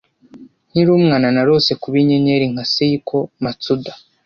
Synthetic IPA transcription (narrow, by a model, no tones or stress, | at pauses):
n̥hiɾuːmŋaːnanaɾo̞ːse̞kuβiɲeɲeɾiŋhasejikʰo̞mat͡sudḁ